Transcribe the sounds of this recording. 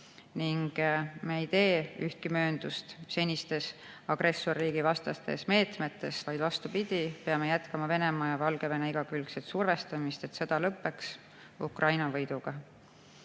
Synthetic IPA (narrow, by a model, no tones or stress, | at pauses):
niŋɡ̥meijt̪e̞ːyht̪̚kimø̞ːnd̪̥ust̪se̞nʲist̪e̞s | ɑɡ̥rʔe̞sːorːiːɡ̥ivɑst̪ɑst̪e̞̰sme̞ːt̪me̞t̪ːˑe̞svɑjd̪̥vɑst̪upid̪̥ʲipeɑme̞jæt̪kɑmɑve̞ne̞mɑːjɑvɑlɡ̥e̞veneiɡ̥ɑkylkset̪surve̞st̪ɑmist̪e̞t̪se̞d̪̥ɑlɤpːe̞ks | ukrɑjnɑvɤ̞jd̪̥uɡ̥ɑ